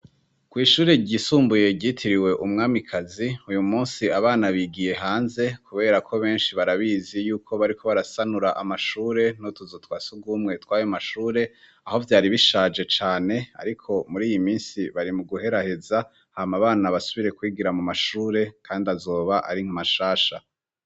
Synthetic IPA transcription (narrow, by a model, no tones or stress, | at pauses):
kwiːʃuːɾe̞ɟiːsuːmbuje̞ɟitʰiɾiwe̞ʔumŋaːmikʰaziujumuːnsiaβaːnaβiɡije̞ɦaːnze̞kʰuβe̞ːɾakʰo̞βe̞ːnʃiβaɾaβiːzijuːkʰo̞βaɾikʰo̞βaɾasanuɾaʔamaʃuːɾe̞notuzotwaːsuɡuːmŋe̞twaːjomaʃuːɾe̞ | aho̞vjaːɾiβiʃaːd͡ʒe̞t͡ʃaːne̞a̰ɾikʰo̞muɾiːjimiːnsiβaɾimuɡuɦe̞ɾahe̞za | hamaβaːnaβasuβiɾe̞kwiːɡiɾamumaʃuːɾe̞kʰaːndiazo̞ːβaʔa̰ɾiŋ̥amaʃaːʃa